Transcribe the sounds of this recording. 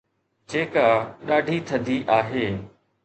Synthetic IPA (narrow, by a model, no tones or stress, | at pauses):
d͡ʑeːkaːɗaːɖʱit̪ʰəd̪ʱiʔaːɦeː